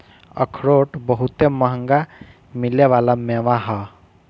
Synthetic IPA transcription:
ə̰kʰɾoːʈbəɦut̪eməɦə̃ŋɡa | mɪleʋaːlameːʋãɦa

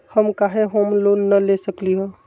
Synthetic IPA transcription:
həmkaɦeɦoːmloːnːəlesəkliɦo

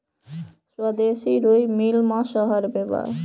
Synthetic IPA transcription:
ʃad̪eʃiɾojmilmaʃɔɦaɾbeba̰ɾ

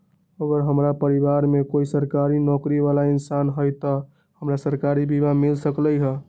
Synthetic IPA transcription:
əɡəɾɦəmɾapəɾibaɾmekoisəɾkaɾinɔkɾiβalainsanɦəjt̪ɔ | həmɾasəɾkaɾibʱibamilsəkləjɦə

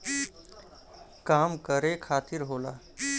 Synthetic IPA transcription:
kaːmkəɾekʰaːt̪iɾɦoːla̰

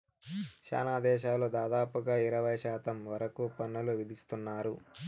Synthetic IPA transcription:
ʃa̰ːnaːd̪ɛːʃaːloːd̪aːd̪aːpuɡaːiɾɐʋɐjʃaːt̪ɐmʋɐɾɐkupɐnːɐluʋid̪ist̪unːaːɾu

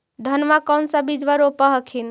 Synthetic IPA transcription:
d̪ʱənmakəwnsə̃bid͡ʒʋəɾopəɦəkʰin

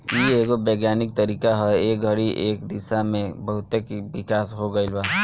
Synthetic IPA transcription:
jieːkobɛːɡjaːnɪk̚t̪ɐɾiːkaɦɛeːk̚ɡʱɐɽiʔeːkd̪ɪsamẽbɐɦʊt̪ekʋɪkaːsɦoɡɐɪlbaː

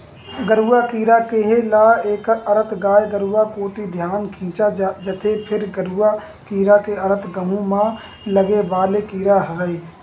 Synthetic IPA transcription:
ɡəɾuːakiːɾakeɦelaːeːkəɾət̪ɡaːjɡəɾuːakoːʈ̪id̪ʱjaːnkʰĩːt͡ʃad͡ʒət̪ʰepʰɪɾɡəɾua | kiːɾakeəɾət̪ɡəmũmã | ləɡebaːlekiːɾaɦəːiː

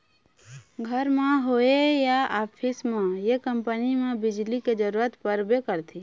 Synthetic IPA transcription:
ɡʱəɾmeɦoejaʔapʰismejekəmpənimebid͡ʒliked͡ʒəɾuɾət̪pəɾbekəɾt̪ʰi

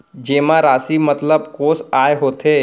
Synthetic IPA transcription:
d͡ʒemãɾaːsimət̪ləbkoːsajɦoːt̪e

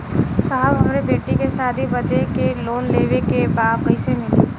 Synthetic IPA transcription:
səɦəbɦɐmɾebeːʈikesaːd̪ʱibɐd̪ekeloːnleːʋekebaːbqəɪsemẽ

